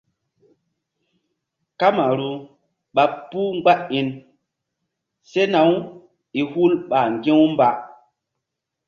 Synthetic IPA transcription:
ka˦ma˨ɾu˨ | ɓa˨pːu˦ŋ͡ma˦ʔi˨n | se˦na˨˦w | i˨hu˦lɓa˨ŋɡẽ˦wmba˨

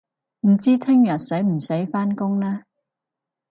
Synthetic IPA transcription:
m̩˨˩t͡siː˥t̪ʰɪ˥ŋjɐ˨t̚se˨˥jm̩˨˩se˨˥jfaː˥nkʊ˥ŋnɛː˥

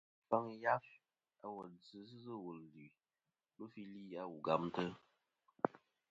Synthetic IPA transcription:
fa˦ŋ˦ja˦f | a˦wɔ˨d͡zɨ˨˦szɨ˦wo˨lzʉ˨ | lu˦fi˦li˦a˦wu˨ɡa˨m˦tə˦

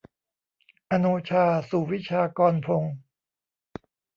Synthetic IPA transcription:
ʔa˧nuː˧t͡ɕʰaː˧suː˨˩wi˦˥t͡ɕʰaː˧kɔː˧npʰo˧ŋ

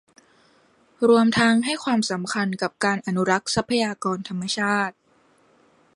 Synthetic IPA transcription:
ɾu˧əmt̪ʰa˦˥ŋɦa˥˩jkʰwaː˧msa˩˦mkʰa˧nka˨˩p̚kaː˧nʔa˧nu˦˥ɾa˦˥k̚sa˦˥pʰːa˧jaː˧kɔː˧nt̪ʰa˧mːa˧t͡ɕʰaː˥˩t̪̚

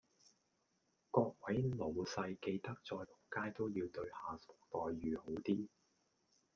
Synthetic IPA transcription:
kɔː˧k̚wɐ˨˥jlo˨˩wsɐ˧jke˧jt̪ɐ˥k̚t͡sɔː˧jhʊ˨˩kaː˥jt̪o˥wjiː˧wt̪ɵ˧ɥhaː˨˩sʊ̥˨k̚t̪ɔː˨jɥyː˨ho˨˥wt̪iː˥

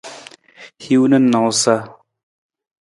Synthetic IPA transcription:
hi˦wnɐ˦nːa˨wsa˦

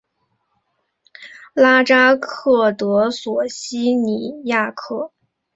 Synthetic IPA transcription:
la˥ʈ͡ʂa˥kʰɤ˥˩t̪ɤ˧˥swɔ˨˩ɕi˥ni˨˩ja˥˧kʰɤ˥˩

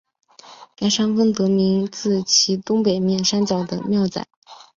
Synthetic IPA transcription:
ka˥ɪʂa˥ŋfə˥ŋt̪ɤ˧˥mi˧˥ŋt͡sɹ̩˥˩t͡ɕʰi˧˥t̪ʊ˥ŋpe˨˩ɪmjɛ˥˩nʂa˥nt͡ɕjɑ˨˩ʊd̪ə̰˦mjɑ˥˩ʊt͡sa̰˨˩˦ɪ

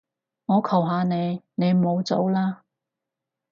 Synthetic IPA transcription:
ŋɔː˨˧kʰɐ˨˩wɦaː˨˧ne˨˧jne˨˧jmo˨˧wt͡so˨˥wlaː˥

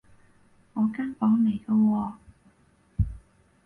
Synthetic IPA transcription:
ŋɔː˨˧kaː˥ŋpɔː˨˥ŋne˨˩jkə˧wɔː˧

